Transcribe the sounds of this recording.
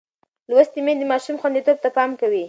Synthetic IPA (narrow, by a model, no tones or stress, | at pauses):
lwast̪imed̪əmɑʃumxwand̪it̪ob̚t̪apɑmkawi